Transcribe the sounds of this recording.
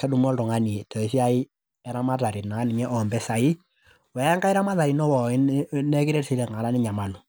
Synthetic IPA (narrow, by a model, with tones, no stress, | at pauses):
kɛ˦du˨m˦ɔ˦ltɔ˨ŋa˦ni˨e˨tɔ˨ɪ˨si˦a˦ɪ˦ | ɛ˨˦ɾa˦ma˦ta˨ɾi˨naː˨˦nɪ˨m˦ɛ˦ʔɔ˨mbɛ˦sa˨ɪ˦ | wɛ˨˦a˦ŋka˦ɪ˦ɾa˦ma˦ta˨ɾi˨nɔ˦wɔ˨ɪ˦nɛ˦kɪ˦ɾɛ˦ɾsi˦ɾɛ˨ŋa˨ɾa˦nɪ˦ɲa˨ma˨nu˨